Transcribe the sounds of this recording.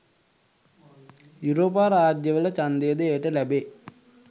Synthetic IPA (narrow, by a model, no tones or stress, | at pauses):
juɾoːp̬aːɾaːd͡ʒjəʋələt͡ʃand̪ejəd̪əeːʈəlæbe